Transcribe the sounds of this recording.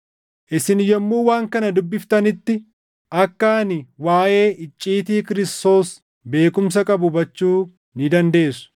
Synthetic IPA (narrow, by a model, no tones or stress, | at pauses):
ʔɪsɪnjɔmːuːwaːŋkɐnɐd̪ʊbːɪft̪ɐnɪt̪ːɪ | ʔɐkːaːnɪwaːʔe̞ːʔɪt͡ʃʼːiːt̪iːkɪɾɪst̪o̞ːs | be̞ːkʊms̬ɐkʼɐbʊbɐt͡ʃːuː | nɪd̪ɐnd̪e̞ːsʊ̥